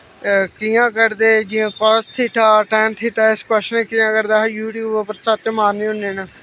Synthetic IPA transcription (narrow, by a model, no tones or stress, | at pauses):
kijãːkəɾd̪eːd͡ʒijãːkɔːst̪ʰiːʈʰaːʈɛːnt̪ʰiːʈaːɪskɔʃnẽːkiːãːkəɾd̪aːɦjuːʈjuːbəpəɾsət̪maːĩːɦʊnːeːnaː